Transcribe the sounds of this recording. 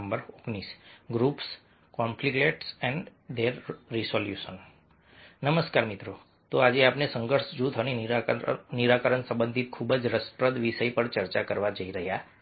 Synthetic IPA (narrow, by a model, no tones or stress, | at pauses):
mbəɾoknisɡɾups | kɔmplikleʈsɛ̃ɳɖd̪eɾːisoljuʃən | nəməskaɾmit̪ɾo | t̪oad͡ʒeapnesə̃ŋɡəɾsd͡ʒũt̪ʰəni | niɾakəɾənsə̃mbənd̪ʱit̪̚kʰubəd͡ʒɾəspɾəd̪ʋisəipəɳt͡ʃəɾt͡ʃakəɾʋad͡ʒəiɾəɦja